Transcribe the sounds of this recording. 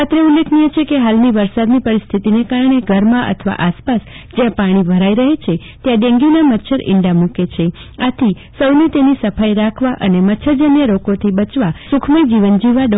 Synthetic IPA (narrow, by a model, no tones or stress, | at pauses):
at̪ɾeulːekʰnijet͡ʃʰekeɦalniʋəɾsad̪nipəɾist̪ʰit̪inekaɾɳ̃eɡʱəɾmãʔə̰t̪ʰʋa̰ʔaspas | d͡ʒjãpaɽ̃ibʱəɾaiɾəɦet͡ʃʰe | t̪jãɖẽŋɡinamətːʃʰəɾɪ̰ɳɖamũket͡ʃʰe | at̪ʰi | səwnet̪enisəfʰajɾakʰʋaʔənemətːʃʰəd͡ʒənjəɾokot̪ʰibət͡ʃʋasʊkʰməjd͡ʒiʋənd͡ʒiʋaɖ